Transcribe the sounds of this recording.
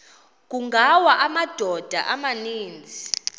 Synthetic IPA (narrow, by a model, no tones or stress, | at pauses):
k̬uŋɡawaʔamad̥ʱɔd̥ʱa̰ʔamaniːnd͡zʱi